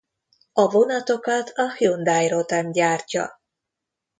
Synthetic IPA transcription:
ɒvo̞nɒt̪o̞kɒt̪ʰɒhjond̪aːjrot̪ɛmɟaːrcɒ̰

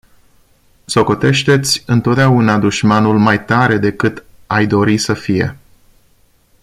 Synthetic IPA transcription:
so̞ko̞t̪e̞ʃt̪e̞t̪sʲɨnt̪ot̪̚d̪eaunad̪uʃmanulmajt̪aɾe̞d̪e̞kɨt̪ | ajd̪o̞ɾisəfije̞̰

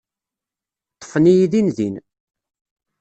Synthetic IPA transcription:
t̪ˤːə̥fənijiðinðin

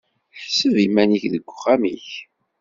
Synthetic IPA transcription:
θsəvimæniçðəɡʷʊχæmiç

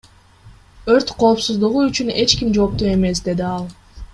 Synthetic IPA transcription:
øɾt̪qʰo̞ːpsuzd̪uʁuyt͡ʃyne̞t͡ʃkimd͡ʒo̞ːp̚t̪uːe̞me̞sd̪e̞d̪iɑlˠ

